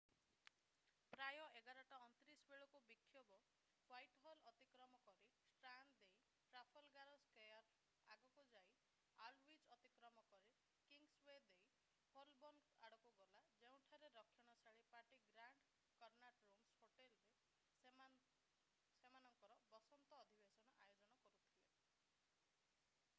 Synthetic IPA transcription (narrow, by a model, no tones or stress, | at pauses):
pɾajɔʔeɡaɾɔʈaɔnt̪ɾisbeɭɔkubikʰːjɔbɔ | wajʈɦɔlɔt̪ikɾɔmɔkɔɾisʈɾand̪d̪ej | ʈɾapʰɔlɡaɾɔskejɔɾ | a̰ɡɔkud͡ʒaj | alwid͡ʒɔt̪ikɾɔmɔkɔɾi | kiŋɡswed̪ej | hɔlbɔnaɽɔkuɡɔlad͡ʒeũʈʰaɾeɾɔkʰːjɔɽ̃ɔsaɭipaʈiɡɾaɳɖ | kɔɾnaʈɾumshoʈelɾe | semanɔŋkɔɾɔbɔsɔnt̪ɔːd̪ʱibesɔñɔʔajod͡ʒɔñɔkɔɾut̪ʰile